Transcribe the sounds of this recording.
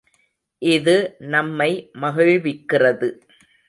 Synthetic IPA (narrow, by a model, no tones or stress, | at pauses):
ʔɪðɯnɐmːɐɪmɐɣɪɻʋɪkːɪrɐðɯ